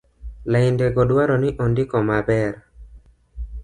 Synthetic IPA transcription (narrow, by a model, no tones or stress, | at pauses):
laɪndeɡɔdwaɾɔniʔɔndikɔmabɛɾ